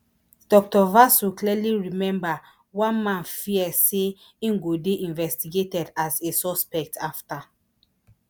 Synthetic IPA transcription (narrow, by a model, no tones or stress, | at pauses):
d̥ɔk̚tɔvasukliɛliɹimɛ̃mba | wãnmãnfiɛseĩŋɡodeʔĩnvɛstiɡetɛdazesɔspɛk̚tʰafta